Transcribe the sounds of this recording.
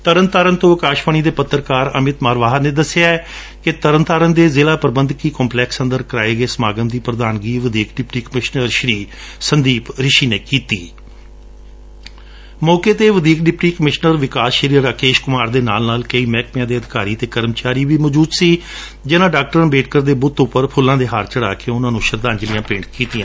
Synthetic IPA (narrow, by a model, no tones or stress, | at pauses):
t̪əɾənt̪aːɾənt̪õːəkaːʃʋaːñiːd̪eːpət̪ːəɾkaːɾə̰mɪt̪maːɾʋaːɦəneːd̪əsːeaːɛ | kɪt̪əɾənt̪aːɾənd̪eːzeːlaːpəɾbənd̪kiːkɔːmplɛːksənd̪əɾkəɾaːeːɡeːsəmaːɡəmd̪iːpɾəd̪aːnɡiːʋəd̪iːkɖɪpʈiːkəmɪʃnəɾʃəɾiːsənd̪iːpɾɪʃiːneːkiːt̪iː | mɔːkeːt̪eːʋəd̪iːkɖɪpʈiːkəmɪʃnəɾʋɪkaːsʃəɾiːɾaːkeːʃkʊmaːɾd̪eːnaːlnaːlkəiːmɛːk̚pjãːd̪eːəd̪ɪkaːɾiːt̪eːkəɾəmt͡ʃaːɾiːbiːmɔːd͡ʒuːd̪siː | d͡ʒɪnãːɖaːk̚ʈəɾənbeːʈ̚kəɾd̪eːbʊt̪ːʊpːəɾpʰʊlːãːd̪eːɦaːɾt͡ʃəɽaːkeːʊnãːnũːʃəɾd̪ãːnd͡ʒlɪjãːpẽːɳɖʈkiːt̪ɪjãː